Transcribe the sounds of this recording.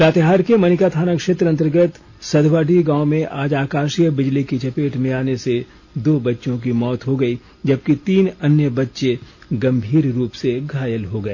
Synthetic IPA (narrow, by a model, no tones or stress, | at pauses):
ɾaːt̪eɦaːɾkemɐnɪkat̪ʰaːnakʃeːt̪ɾəɐ̃nt̪əɾɡət̪ | sɐd̪ʱʋaːɖiɡãːõmẽʔaːd͡ʒaːkaːʃijəbɪd͡ʒlikit͡ʃɐpeːʈmẽaːnese | d̪oːbɐtːʃõk̬imɔːt̪ɦoɡɐi | d͡ʒɐb̚kit̪iːnɐnjəbɐtːʃeɡɐ̃mbʱiːɾɾuːpseɡʱaːjəlɦoɡɐeː